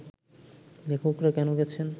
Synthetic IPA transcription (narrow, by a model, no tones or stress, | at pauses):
lekʰokɾakɛnoɡɛt͡ɕʰen